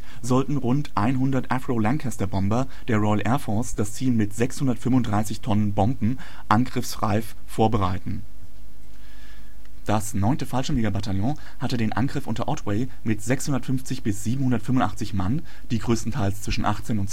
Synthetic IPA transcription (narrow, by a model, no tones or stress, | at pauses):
zɔltn̩ʁʊntʰʔaɪnɦʊndɐtʔafʁ̥oːlaŋkʰastɐbɔmbɐ | d̥eːɐʁɔʏəlʔɛɐfɔɐsd̥ast͡siːlmɪtz̥ɛkshʊndɐtfʏmʊntd̥ʁaɪsɪçtʰɔnənbɔmbm̩ | ʔanɡʁɪfsʁa̰ɪf | foːɐbəʁaɪtn̩ | d̥asnɔʏntəfalʃəmeːɡabataljɔ̃ | hatədeːnʔa̰nɡʁɪfʔʊ̰ntɐʔɔtwɛɪ | mɪtz̥ɛkshʊndɐtfʏnft͡sɪçb̥ɪsz̥iːbm̩hʊndɐtfʏmʊntʔa̰χt͡sɪçman | d̥iːɡʁøːstn̩tʰaɪlst͡sv̥ɪʃn̩ʔa̰χt͡seːnʊnt